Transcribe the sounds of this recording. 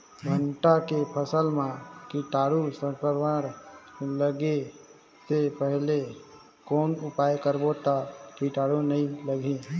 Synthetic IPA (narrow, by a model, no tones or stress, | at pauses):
ɡʱəɳʈakepʰəsəlmãkiʈaːɽusəkəɾʋaɾləɡe | sepəɦle | koːnʊpajkəɾbot̪akiʈaːɽunəĩləɡʱe